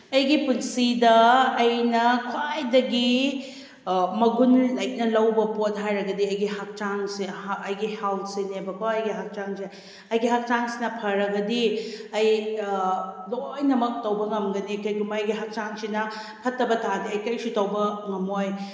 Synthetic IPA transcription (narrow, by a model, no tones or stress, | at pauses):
ɐjɡipunsidɐːjnɐkʰwajdɐɡi | mɐɡunlajk̚nɐlɐwbɐpot̚ɦajɾɐɡɐdiɐjɡiɦak̚t͡ʃaŋseɐjɡihawsenebɐkaɐjɡiɦak̚t͡ʃaŋse | ɐjɡiɦak̚t͡ʃaŋsi̥nɐpʰɐɾɐɡɐdiɐj | lojnɐmɐk̚tɐwbɐŋɐmɡɐnikɐjkumɐɐjɡiɦak̚t͡ʃaŋsinɐ | pʰɐtːɐbɐtʰadiɐjkɐjsutɐwbɐŋɐmoj